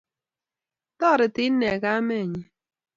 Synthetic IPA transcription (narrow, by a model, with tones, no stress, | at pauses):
tɔ˦˨ɾɪ˨tɪ˦nɛ˨ɡa˦mɛ˦˨ɲi˨